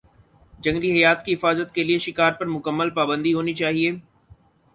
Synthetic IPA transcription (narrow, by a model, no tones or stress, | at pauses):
d͡ʒɐ̃ŋɡliɦɐjaːt̪kiɦɪfaːzət̪kelieʃɪkaːɾpɐɾmʊkəmːəlpaːbə̃nd̪iɦoːnit͡ʃaːɦieː